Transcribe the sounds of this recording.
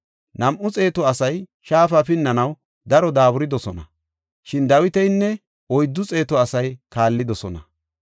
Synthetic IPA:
nɐmʔʊt͡sʼe̞ːt̪ɔɐsɐjʃaːfɐfɪnːɐnɐw | d̪ɐɾɔd̪aːbʊɾɪd̪ɔsɔnɐ | ʃɪnd̪ɐwɪt̪ɛjnːɛ | ɔjd̪ːʊt͡sʼe̞ːt̪ɔɐsɐjkaːlːɪd̪ɔsɔnɐ

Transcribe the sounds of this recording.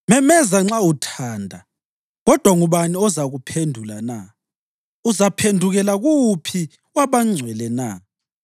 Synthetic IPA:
mɛmɛzaŋ͡ǁautʰaːndʱa | ɣɔd̥ʱwaŋuβaniɔzaɣupʰendʱulana | uzapʰendʱuɣɛlaɣupʰi | waβaŋ͡ǀʱwɛlɛna

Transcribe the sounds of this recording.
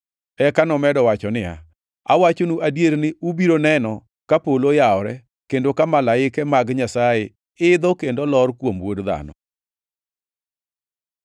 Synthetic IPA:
ɛkanɔmɛdɔwat͡ʃɔnɪa̰ | a̰wat͡ʃonuʔadjeɾnɪubiɾonɛnɔ | kapolojaɔɾɛ | kendokamalaɪkɛmaɡɲasaje | ɪd̪ɔkendolɔɾkwomwodða̰nɔ̰

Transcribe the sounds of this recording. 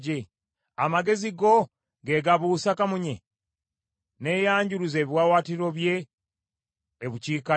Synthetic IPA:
e | amaɡe̞ziɡo̞ | ɡe̞ɡaβuːsakamuɲe | ne̞jaːɲɟuɾuze̞ːβiwaːwaːtiɾo̞βje̞ | βuciːka

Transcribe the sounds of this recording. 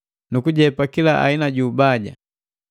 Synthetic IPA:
nukuɟɛpakilaa̰inaɟuːbaɟa̰

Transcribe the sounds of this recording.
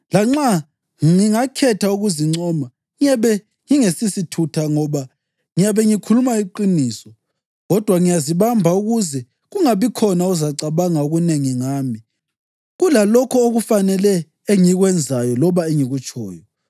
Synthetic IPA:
laŋ͡ǁa | ŋiŋakʰɛtʰauɣuziŋ͡ǀɔma | ŋiɛβɛ | ŋiŋesisitʰutʰaŋɔβa | ŋijaβɛŋikʰulumaiǃiniːsɔ | ɣɔd̥ʱwaŋijaziβambʱauɣuzɛ | ɣuŋaβikʰɔnauzaǀaβaŋaoɣuneŋiŋaːmi | ɣulalɔkʰɔoɣufanɛlɛ | eŋiɣwɛnd͡zʱajɔlɔβaeŋiɣut͡ʃʰʼɔ̰ːjɔ

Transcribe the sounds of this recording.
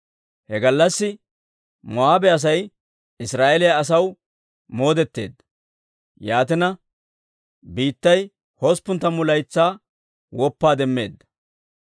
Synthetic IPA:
hɛɡɐlːɐsːɪ | mɔaːbɛɐs̬ɐj | ɪsɾaːʔɛlɪjɐːs̬ɐw | moːd̪ɛt̪ːe̞̰ːd̪ːɐ̥ | jaːt̪̬ɪnɐ | biːt̪ːɐj | hospːʊnt̪ːɐmʊlɐjt͡sːaː | wɔpːaːd̪ɛmːe̞̰ːd̪ːɐ̥

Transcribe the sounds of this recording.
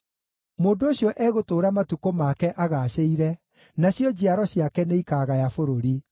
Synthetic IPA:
moːndooɕjɔʔɛɣotoːɾamatukomakɛʔaɣaɕeiɾɛ | naɕjɔd͡ʑiaɾɔɕjakɛneikaːɣajafoɾoɾi

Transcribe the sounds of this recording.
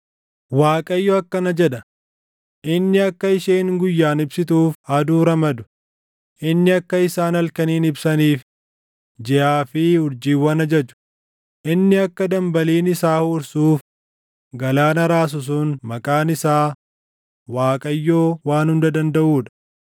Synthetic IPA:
waːkʼɐjːoɐkːɐnɐd͡ʒɛᶑɐ | ʔɪnːɪɐkːɐɪʃeːŋɡʊjːaːnɪbsɪt̪uːfɐd̪uːɾɐmɐd̪ʊ̥ | ʔɪnːɪɐkːɐɪsaːnɐlkɐniːnɪbsɐniːf | d͡ʒɛʔaːfɪhʊɾd͡ʒiːwːɐnɐd͡ʒɐd͡ʒʊ̥ | ʔɪnːɪɐkːɐd̪ɐmbɐliːnɪsaːhuːɾsuːf | ɡɐlaːnɐɾaːs̬ʊs̬uːnmɐkʼaːnɪsaː | waːkʼɐjːoːwaːnhʊnd̪ɐd̪ɐnd̪ɐʔuːᶑɐ̥

